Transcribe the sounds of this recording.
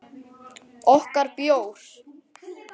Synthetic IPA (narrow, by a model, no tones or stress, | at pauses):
ɔhkaɾpjoːwɾ̥